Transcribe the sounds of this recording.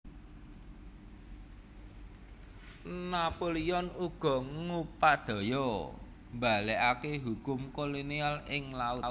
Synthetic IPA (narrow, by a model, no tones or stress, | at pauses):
napoliɔnuɡ̥ɔ̤ŋupaʔd̪̥ɔ̤jɔ | mbalɛʔakeɦukʊmkolonialɪŋlaʊ